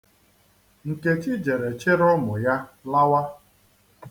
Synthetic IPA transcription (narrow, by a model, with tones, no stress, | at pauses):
ŋ̩˨ke˦t͡ʃi˦d͡ʒe˨ɾe˨t͡ʃe˦ɾʊ˦mʊ˨ja˦la˦wa˦